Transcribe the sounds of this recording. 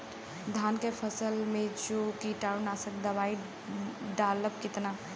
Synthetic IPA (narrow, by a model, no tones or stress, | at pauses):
d̪ʱankepʰəsəlmed͡ʒokiʈaunasək̚d̪əbaːi | ɖaləpkɪt̪na